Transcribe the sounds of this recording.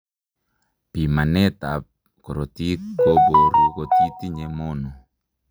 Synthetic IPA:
pi˨ma˨ne˦t̪a˨p̚ | ko˨ɾo˨t̪i˦ko˦bo˨ɾu˨ko˨t̪i˦t̪i˦ɲe˨mo˦no˨

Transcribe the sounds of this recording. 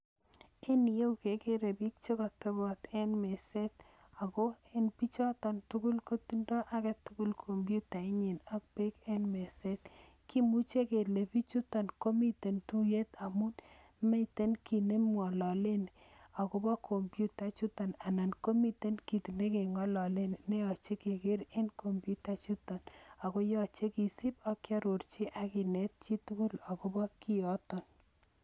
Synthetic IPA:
e˦ni˨je˦u˨ke˨ke˦ɾe˨bi˦k̚t͡ʃe˦kɔ˨tɔ˦bɔ˨t̪ɛ˦nme˨se˦t̚ | a˨ko˦e˦npi˦t͡ʃɔ˦tɔ˨ntu˦ku˦lko˦ti˦ndɔ˦ʔa˦kɛ˦tu˦ku˦lkʰo˨mbju˦ta˨i˦ɲi˨na˦k̚pe˦ke˦nme˨se˦t | ki˦mu˦t͡ʃe˦ke˨le˨pi˦t͡ʃu˦tɔ˨nko˦mi˦te˨ntu˦je˦t̪a˨mu˦n | me˦i˨t̪e˦nki˨ne˦mwɔ˨lɔ˨le˦na˨kʊ˦bɔ˦kʰɔ˨mpju˦ta˦t͡ʃu˦tɔ˨na˨na˨nko˦mi˦te˦nki˨ti˨ne˦ke˨ŋɔ˦lɔ˨le˦n˨ne˦ɔ˨t͡ʃe˦ke˨ke˦ɾe˦nkɔ˨mpju˦ta˦t͡ʃu˦tɔ˨na˨ko˦jɔ˦t͡ʃe˦ki˨si˦pɔ˦kja˦ɾo˨ɾt͡ʃi˦ʔa˦kɪ˨nɛ˦t̚t͡ʃi˦tu˦kʊ˦la˨ko˦bɔ˦ki˦ɔ˦tɔ˨n

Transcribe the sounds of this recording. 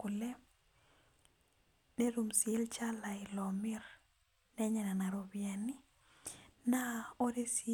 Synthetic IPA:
ulɛ˦ | ne˦ɾumsiɛ˦lt͡ʃa˦la˨ilɔmi˦ɾ | nɛ˦ɲɛ˨nana˨ɾobjani˦ | nao˦ɾe˦s

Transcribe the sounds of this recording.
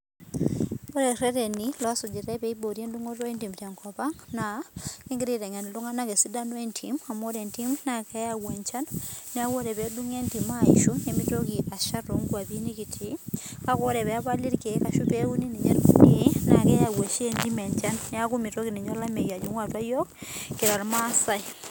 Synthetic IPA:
o˦ɾɛ˨rɛ˦ɾe˨ni˨lɔ˨˦sʊ˨d͡ʒi˨ɾɛ˦pɛ˦i˦bo˨ɾje˦ndu˦ŋo˦twɔ˦i˦nti˨mtja˨ŋkɔ˨pa˦ŋna˨ɪ˦ŋɡi˦ɾi˨ɾɛ˨ŋɛ˨nlu˦ŋa˦na˦ke˨si˦da˦nɔ˦i˨ntʰi˨ma˨mo˦ɾɛ˨nti˦mna˨kɛ˦ja˦wa˨ɲt͡ʃa˦nːɛ˦a˦wo˦ɾɛ˨pɛ˨˦du˦ŋe˦nti˨ma˦˨ḭ˨ʃo˦ɲe˨mi˦to˦ki˨ʔa˨ʃa˦ɾo˨ŋɡwa˨bi˦ni˦ki˨tʰi˨˦ka˦kɔ˦ɾɛ˨pɛ˨a˦pa˦li˦ɾke˨˦ka˨ʃu˦pe˦u˦ni˦ni˨ɲɛ̰˦ɾṵ˨e˨˦na˨kɛ˦ja˨wa˨ʃe˨nti˦mɛ˨ɲt͡ʃa˦nːɛ˦a˦ku˦mi˨to˦ki˨ni˨ɲɔ˦la˦mɛ˨ja˨d͡ʒu˦ŋwa˨twa˦jɔ˦kkːɪ˨ɾa˨lma˦sa˦i˨

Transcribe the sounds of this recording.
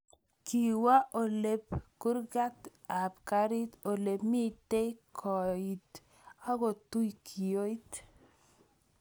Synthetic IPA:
ki˨wa˦ʔo˨le˦p̚kʊ˦ɾɡa˦t̪ | a˨p̚ka˦ɾi˦t̪o˨le˨pmi˦te˦kʰɔ˨i˨t̪ | a˦ɡɔ˨tu˦jkʰi˨jo˦i˦t̪

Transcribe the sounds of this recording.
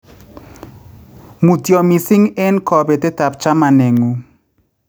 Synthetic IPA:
mu˨tjɔ˨mi˨sɪ˦ŋe˦nkɔ˨be˨tɪ˦ta˨p̚t͡ʃa˦ma˨nɛ˨ŋu˨

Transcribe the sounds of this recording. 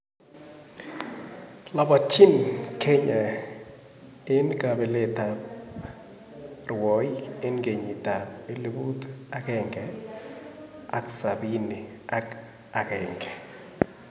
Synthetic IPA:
la˨ba˨t͡ʃi˦nkʰɛ˦ɲa˨ | e˦n˦ka˨bɛ˨lɛ˨ta | rwɔ˨˦je˦nɡe˨ɲi˨ta˨e˦li˦bu˦ta˦kɛŋɡɛ˨ | a˨tsa˨βi˦ni˨a˦k | a˨kɛː˨ŋɡɛ

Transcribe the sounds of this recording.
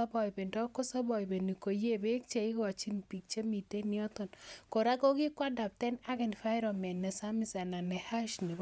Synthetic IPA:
a˦bɔ˨jbe˨ndɔ˦kɔ˦sa˦bɔ˨ibe˨ni˨ko˨je˦˨be˦k̚t͡ʃe˨i˦ka˨t͡ʃi˦npi˨k̚t͡ʃe˦mi˨te˦ni˦ɔ˦t̪ɔ˨nko˨ɾa˦ko˦kɪ˦kwa˦da˨p̚tɛ˦na˦kɛ˨n˨fa˦ɪ˦ɾɔ˨mɛ˨nːɛ˨sa˦mi˦˨sa˨na˨nɛ˨ha˦ʃni˨b

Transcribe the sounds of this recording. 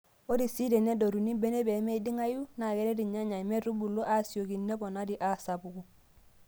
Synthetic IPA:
o˦di˨si˦de˨ne˦do˨ɾu˨ni˦be˦ne˦be˨me˦i˦di˦ŋa˦ju˦na˨ɡe˨de˦di˨ɲa˦ɲa˨me˦ɾu˦bu˨lo˦ʔa˦˨si˨o˨ki˨nːe˦bo˨na˦di˨ʔa˦˨sa˨bu˨ɡu˨

